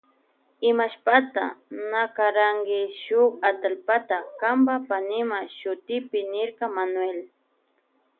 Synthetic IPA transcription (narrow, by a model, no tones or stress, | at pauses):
ɪmaʃpat̪a̰nakaɾaŋɡɪʃʊkat̪alpat̪akambapanɪmaʃʊt̪ɪpɪnɪɾkɑmanwel